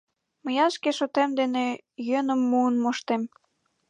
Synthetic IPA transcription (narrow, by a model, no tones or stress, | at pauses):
məjɑʃkeʃot̪emd̪enejønəmːuənmoʃt̪em